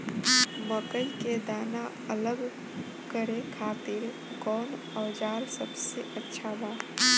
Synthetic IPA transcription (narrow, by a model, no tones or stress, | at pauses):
məkəjked̪aːna | ələɡ | kəɾekʰaːt̪ɪɾ | kɔːn | əːd͡ʒaːɾsəbseʔətːʃʰabaː